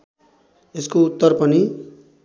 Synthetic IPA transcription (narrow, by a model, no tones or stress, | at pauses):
eskout̪ːʌrpʌni